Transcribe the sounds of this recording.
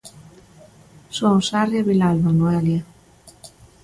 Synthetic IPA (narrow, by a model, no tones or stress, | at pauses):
soŋsarjaβilalβanuɛlja